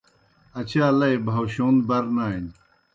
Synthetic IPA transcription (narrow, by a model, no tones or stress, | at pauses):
ɐt͡ɕʰaːlɐjbʱɐwɕoːnd̪bɐɾnaːn